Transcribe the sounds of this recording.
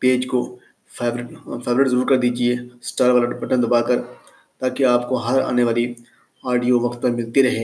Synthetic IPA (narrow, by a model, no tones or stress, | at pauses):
peːd͡ʒko | eːɾfʰeːʋɾɪʈzɐɾuːɾkɐɾd̪iːd͡ʒieːsʈaːɾʋaːlaɖɪpəʈə̃nd̪ɐbaːkɐɾ | t̪aːkeaːpkoɦɐɾa̰ːneʋaːli | aːɖijoʋɐkt̪̚pɐɾmɪlt̪iɾɐɦeː